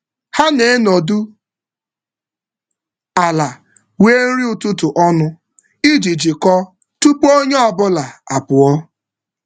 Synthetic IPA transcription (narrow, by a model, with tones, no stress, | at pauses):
ha˦ne˨e˦no˨du˦ | a˨la˨ | we˦n̩˦ɾi˦ʊ˨tu˦tʊ˨ʔɔ˦nʊ˦ | i˦d͡ʒi˨d͡ʒi˨kɔ˦ | tu˦k͡po˦ɲe˦ɔ˨bʊ˦la˨a˨pʊ˨ɔ˦